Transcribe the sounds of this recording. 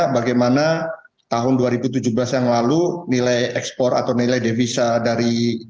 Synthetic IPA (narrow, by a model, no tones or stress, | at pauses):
baɡajmana | t̪aɦʊnduaɾibut̪̬ud͡ʒublasjaŋlalunilajɛkspɔra̰t̪awnilajdevisadaɾi